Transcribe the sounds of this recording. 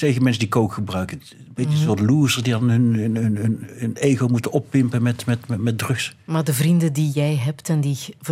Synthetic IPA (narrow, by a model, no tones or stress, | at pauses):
tejɣəmɛnsədikowkχəbrœɥkə | betəənsoːɹtluːzəɹsdidɑnɦənnnənəneːɣowmutənɔpːɪmpənmɛtmɛtɛmɛt̚drɵksmaːɹdəvrindədijɛjɦɛptɛndi